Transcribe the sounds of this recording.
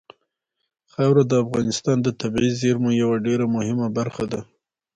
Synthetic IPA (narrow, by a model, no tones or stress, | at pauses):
xawɾad̪əafɣɑnɪst̪ɑnd̪ət̪abizeɾmojawaɖeɾamʊhɪmabaɾxad̪a